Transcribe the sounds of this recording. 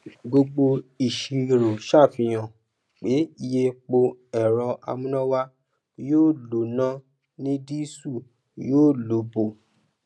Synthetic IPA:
ɡo˧ɡ͡bo˧i˨ʃi˨ɾo˨ʃa˦˨fĩ˧j̃ã˨ | k͡pe˨˦i˧je˧k͡po˧ɛ˨ɾɔ˧a̰˧mũ˦nã˦wa˦ | joː˦˨lo˨˦˨nã˦ | nĩ˦di˦su˦˨ | joː˦˨lo˨˦bo˨

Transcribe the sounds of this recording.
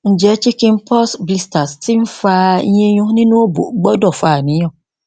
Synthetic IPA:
ɲ̩˨d͡ʑɛ˨˦t͡ɕi˦kɪ̃˦m˦pʰɔ˦sbi˦sta˨stʰɪ̃˦m˦faː˦ɲ˦ẽ˦ɲʊ̃˦nɪ̃˦nʊ̃˦o˦bo̰˨˦ɡ͡bɔ˦dɔ˨faː˨nɪ̃˨˦ɔ̃˨

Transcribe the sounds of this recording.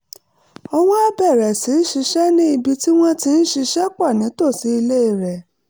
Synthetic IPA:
ɔ˧w̃ɔ̃˦a˦bɛ˦˨ɾɛ˨si˨˦n̩˦ʃi˧ʃɛ˦nĩ˦i˧bi˧ti˦w̃ɔ̃˦ti˧n̩˦ʃi˧ʃɛ˦k͡pa˦˨nĩ˨˦to˦˨si˨˦i˧le˦i˦˨ɾɛ˨

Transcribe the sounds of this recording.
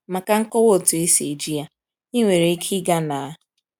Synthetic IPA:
ma˨ka˨ŋ̩˦kɔ˦wo˦˨tʊ˨e˦se˨d͡ʒi˦a˦ | i˦ŋʷe˨ɾe˨˦kʰi˦ɡa˦na˨a˦

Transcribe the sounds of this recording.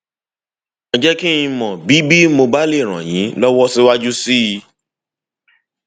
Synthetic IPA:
ɔ˧d͡ʒɛ˦ki˦ĩ˧mɔ̃˨bi˨˦bi˦mo˧ba˦le˦˨ɾ̃ã̰˨j̃ĩ˨˦lɔ˦wɔ˦si˦wa˦d͡ʒu˦si˦i˧

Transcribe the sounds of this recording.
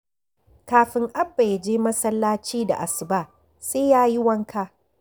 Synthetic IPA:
kaː˨ɸɪ˨ŋʔa˦bːa˨ja˨d͡ʒeː˦mɐ˦sɐ˦lːaː˦t͡ʃiː˦da̰˨ʔa˨sɪ˨baː˦ | seː˦jaː˦ji˦wɐ˦ŋkaː˦

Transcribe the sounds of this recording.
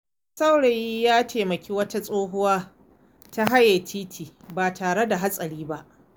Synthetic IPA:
sa˦wɽe˨ji˦jaː˦tʰeː˨mɐ˨kʲi˦wɐ˦ta˦sʼoː˦ɦʊ˦waː˦ | ta˦ɦa˦jɐ˨tʰiː˦tʰiː˨baː˨taː˨ɽe˦da˨ɦa˦sʼɐ˨ɽiː˦ba˦ʔ

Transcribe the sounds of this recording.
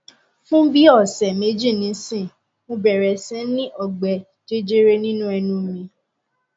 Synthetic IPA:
fũ˦bi˦ɔ˦˨sɛ˨me˨˦d͡ʒi˦˨nĩ˨˦sĩ˦˨ | mõ˧bɛ˨ɾɛ˨sɛ̃˨˦nĩ˦ʔɔ˦˨ɡ͡bɛ˨ | d͡ʒe˦d͡ʒe˦ɾe˦nĩ˦nũ˦ɛ˧nũ˧˦mĩ˧

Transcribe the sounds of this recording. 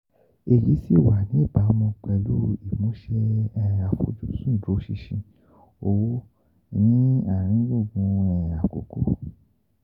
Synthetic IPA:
e˨li˨˦si˦˨wa˨nĩ˨˦e˦˨ba˨˦mɔ̃˧k͡pɛ˧lu˦i˨mõ˨˦ʃe˧ɛ˧a˨fo̰˧d͡ʒũ˦sũ˦˨do˨˦ʃi˧ʃĩ˧ | o˧wo˦ | nĩ˦a˦˨ɾ̃ĩ˨˦lo˦˨ɡũ˧˦ɛ˧˨a˨ko̰˨ko˦

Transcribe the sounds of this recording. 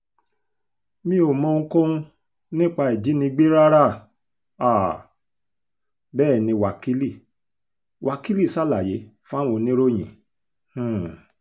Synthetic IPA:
mĩ˦o˨mɔ̃˧ŋ̩˧kõ˦ũ˧ | nĩ˦k͡pa˧i˨d͡ʒi˨˦nĩ˧ɡ͡be˦ɾa˦ɾa˦˨ | a˦˨ | bɛː˦˨nĩ˧wa˨ki˦li˦˨ | wʔa˨ki˦li˦˨sa˦˨la˨je˨˦fã˦wõ˧nĩ˦ɾo˦j̃ḭ̃˨˦˨

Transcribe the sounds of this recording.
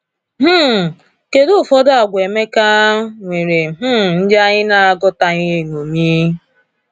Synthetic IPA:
m̩˦˨ | ke˨dʊ˦˨fɔ˦da˨ɡʷe˨me˦ka˦ŋʷe˨ɾe˨ɦ̩˦n̩˦d͡ʒa˦ɲɪ˦na˦a˨ɡɔ˦ta˨ɲɪ˦e˨ŋo˨mi˦

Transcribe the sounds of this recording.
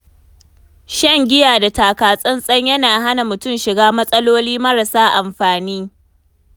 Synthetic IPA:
ʃɐ˦ŋɡʲɪ˦jaː˨da˨taː˨kaː˨sʼɐ˦nsʼɐ˦ɲjɐ˦naː˨ɦa˦na˨mʊ˨tʊ˦˨mʃɪ˨ɡaː˦mɐ˦sʼɐ˦loː˦liː˦mɐ˦ɾɐ˨saː˦ʔa˨mɸaː˨niː˦

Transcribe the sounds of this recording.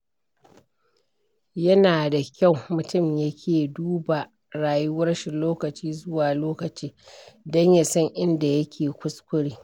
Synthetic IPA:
jɐ˦naː˨da˨kʲa˦˨wmʊ˨tʊ˦˨mja˦kʲʰeː˨duː˦ba˨ | ɽaː˨jʊ˦wɐ˦rʃɪ˨nloː˦kɐ˨t͡ʃiː˦zʊ˦waː˨loː˦kɐ˨t͡ʃiː˦dɔ˦ɲja˨sɔ˦ŋʔɪ˦nda˨jɐ˦kʲʰeː˨kʷʊ˦skʷʊ˦ɽiː˦

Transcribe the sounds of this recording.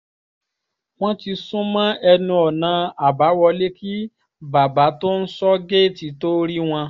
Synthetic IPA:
w̃ɔ̃˦ti˧sũ˦mã˦ɛ˧nũ˧ɔ˨nã˨˧a˨ba˨˦wɔ˧le˦ki˦ | ba˨ba˨˦to˦n̩˦sɔ˦ɡe˦˨ti˨˦to˦ɾi˦w̃ɔ̃˧

